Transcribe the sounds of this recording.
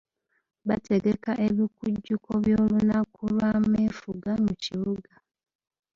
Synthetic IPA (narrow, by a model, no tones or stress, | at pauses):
βate̞ɡe̞kaʔe̞βikuɟːukoβjoːlunakulwamefuɡamuciβuɡa